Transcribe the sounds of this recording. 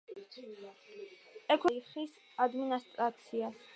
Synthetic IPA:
ɛkʰwɛiχis | ad̪minast̪ʼɾat̪sʰias

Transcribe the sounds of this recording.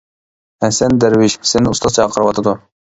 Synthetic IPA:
ɛsɛnd̪ɛɾwɪʃsenɪust̪ɑst͡ʃʰɑːqʰəɾɨwɑt̪ʰɨd̪u

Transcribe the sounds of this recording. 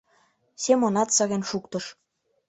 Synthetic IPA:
semonɑt̪sɑɣenʃukt̪ɤ̆ʃ

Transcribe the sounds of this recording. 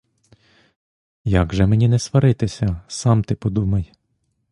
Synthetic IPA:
jɑɡʒɛmenʲinɛsʋɐɾɪt̪ɪsʲɐsɑmt̪ɪpɔd̪umɐj

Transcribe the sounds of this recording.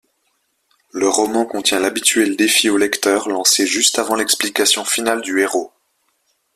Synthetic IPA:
ləʁɔmɑ̃kɔ̃t̪jɛ̃labit̪ɥɛld̪efiolɛkt̪œʁlɑ̃seʒyst̪avɑ̃lɛksplikasjɔ̃finald̪yeʁo

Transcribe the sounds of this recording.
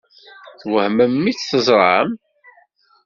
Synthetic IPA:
θwəhməmːit͡sθəzˤɾˤəm

